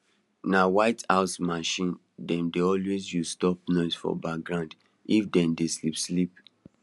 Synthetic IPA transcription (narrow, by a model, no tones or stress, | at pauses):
nawaɪtaʊsmaʃĩn | dɛ̃mdeɔlwezjuzstɔp̚nɔɪsfɔ̰bak̚ɡɹãʊ̃nd | ifdɛ̃mdeslipslip̚